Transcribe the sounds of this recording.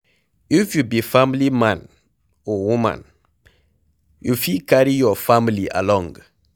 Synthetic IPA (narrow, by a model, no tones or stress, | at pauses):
ifjubifamliman | ɔwumã̰n | jufikaɾijɔfamlia̰lɔ̃ŋɡ